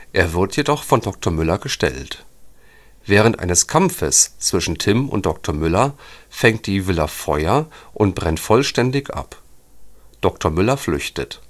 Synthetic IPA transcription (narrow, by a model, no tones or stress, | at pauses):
ʔeːɐvɪɐtjedɔχfɔndɔk̚tʰoɐmʏlɐɡəʃtɛ̰lt | v̥ɛːʁ̞əntʔa̰ɪnəskʰamfəst͡sv̥ɪʃn̩tʰɪmʊ̰nt̚d̥ɔk̚tʰoɐmʏlɐfɛŋt̚d̥iːvɪlɐfɔʏɐʔʊntb̥ʁɛntfɔlʃtɛndɪçʔa̰p | d̥ɔktʰoɐmʏlɐflʏçtət